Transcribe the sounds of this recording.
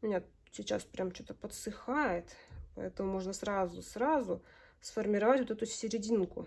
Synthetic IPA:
mʲɪnʲa | sʲɪt͡ɕa̰spɾʲʔamt͡ɕot̪əpət̪sɨxajɪt̪pə̰ɛt̪əmʊmo̞ʐnəsɾazʊsɾazʊ | sfərmʲɪɾɐvatʲvot̪ɛt̪ʊsʲɪɾʲɪdʲinkʊ

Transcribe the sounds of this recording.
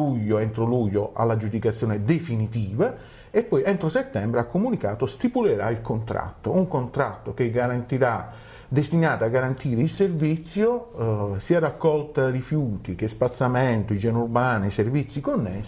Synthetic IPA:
uʎːoent̪ɾoluʎːoʔa̰lːad͡ʒud̪ikat̪sːjoːned̪efinit̪iːva | epːɔjɛnt̪ɾoset̪ːɛmbɾeakːomunikaːt̪ost̪ipuleɾailkont̪ɾa̰t̪ːouŋkont̪ɾat̪ːok̟eɡːaɾant̪iɾa | d̪est̪inaːt̪aaɡːaɾant̪iːɾeilservit̪sːjosiarakːɔlt̪arifjuːt̪ikespat̪sːamɛnt̪ʊid͡ʒɛnurbaːniservit̪sːikonːɛs

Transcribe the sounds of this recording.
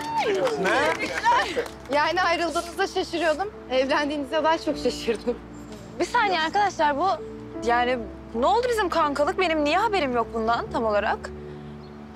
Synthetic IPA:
jaːniajɾɯlˠd̪ɯːnɯzd̪aʃaʃɯɾɯjod̪um | ɛvɾænd̪iːnizd̪ɛd̪aːt͡ʃʰo̞kʃaʃɯɾd̪ɯm | bisanɛaɾkad̪aʃlˠaɾbu | jaːni | no̞lˠd̪ubizimkʰaŋkʰalˠɯk̚be̞nimnijɛɦabe̞ɾimjo̞k̚bund̪ant̪ʰamo̞lˠaɾak

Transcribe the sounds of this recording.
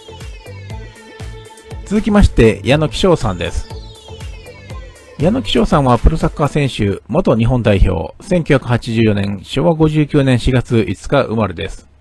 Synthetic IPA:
t͡sɨzɨkʲimaɕi̥t̪e̞jʔano̞kʲi̥ɕo̞ːsãnd̪e̞̰sɨ̥ | jano̞kʲi̥ɕo̞ːsãɰ̃βapɯ̟ɾo̞sakːasẽ̞ɕɨmo̞t̪o̞ɲ̟iɦõ̞nd̪aiço̞̰ːsẽ̞ŋkʲɨ̟çʲakɯ̟hat͡ɕiʑɨːjo̞nẽ̞ɰ̃ɕo̞ːβaɡo̞ʑɨːkʲɨːnẽ̞ɰ̃ɕiɡat͡sɨʔit͡sɨ̥kaʔɯ̰maɾed̪e̞sɨ̥

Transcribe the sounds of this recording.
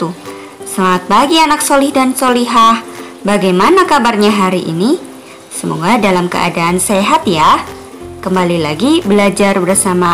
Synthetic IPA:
t̪u | səlaŋat̪̚baɡianaksolihdansoliɦah | baɡajmanakabarɲaɦaɾiʔḭni | səmoɡadalamkə̰ʔa̰daʔːnseɦat̪ja | kəmbalilaɡibəlad͡ʒarbərsama

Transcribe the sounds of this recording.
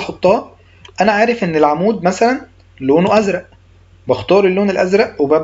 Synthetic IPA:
ħot̪ˤːɑː | ʔænæʕaːɾefʔenːelʕamuːd̪mæsælæn | loːnuʔæzɾˤɑʔ | bɑxt̪ˤɑːɾˤelːoːnelʔæzɾˤæʔwebæ

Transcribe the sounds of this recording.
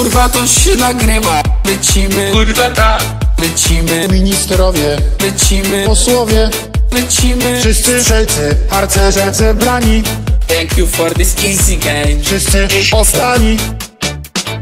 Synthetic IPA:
uɾvat̪ɔɛnaɡɾɪmalɛt͡ɕimɪɡuɾvat̪a | lɛt͡ɕimɘmʲiɲist̪ɛɾɔvʲjɛlɛt͡ɕimɘpɔswɔvʲjɛ | lɛt͡ɕimɪfʂɪst̪sɘʂɛlt̪sɘxaɾt̪sɛzɛzɛbɾalʲit̪ɛŋkjufɔɾt̪ɪsisikɛfʂɪst̪sɨɔzd̪alʲi

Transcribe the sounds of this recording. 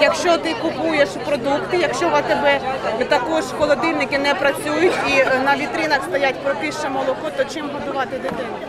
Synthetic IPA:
jɐkʃt͡ʃɔt̪ɪkʊpujeʃupɾɔd̪ukt̪ɪjɐkʃt͡ʃɔʋɐt̪ebɛt̪ɐkɔʒkɔlˠɔd̪ɪnʲɪkɪnɛpɾɐt͡sʲujʊtʲinɐʋʲit̪ɾɪnɐkst̪ɐjatʲpɾɔpʲiʃt͡ʃɛmɔlˠɔkɔt̪ɔt͡ʃɪmɦɐd̪ʊʋɑt̪ɪd̪ɪt̪ɪn

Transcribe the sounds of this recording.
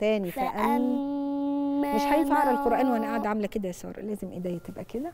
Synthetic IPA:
t̪æːnifæʔæm | meʃħajefaʕɑɾˤælqoɾʔæːnweʔænæʔaʕad̪ʕamelæked̪æjesˤɑ̰ːɾˤlæːzemʔed̪æːjæt̪ebʔæked̪æ

